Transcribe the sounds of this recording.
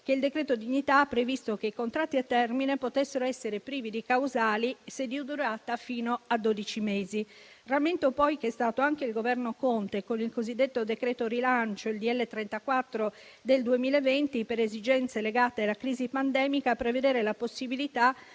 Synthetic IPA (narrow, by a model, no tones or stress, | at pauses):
k̟eild̪ekɾeːt̪od̪iɲːit̪aapːɾevist̪ok̟eikont̪ɾat̪ːiat̪ːɛrminepot̪esːeɾoɛsːeɾepɾiːvid̪ikawzaːlised̪iud̪uɾaːt̪afiːnoad̪ːod̪it͡ʃimeːzi | rament̪opɔjkɛst̪aːt̪oaŋk̟eilɡovɛrnokont̪ekonilkozid̪ːet̪ːod̪ekɾeːt̪oɾilant͡ʃoild̪iɛlːet̪ɾɛnt̪akwat̪ːɾo | d̪eld̪uemiːlevent̪ipeɾezid͡ʒɛnt̪seleɡaːt̪ealakɾiːzipand̪ɛːmikaːpɾeved̪eːɾelaposːibilit̪a